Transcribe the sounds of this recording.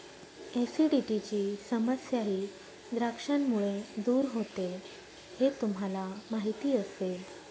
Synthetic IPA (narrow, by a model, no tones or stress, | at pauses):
esiɖiʈit͡ɕiːsəməsjaɦiː | d̪ɾakʂaɳmuɭed̪uːɾɦot̪e | het̪um̤alamaɦit̪iːəsel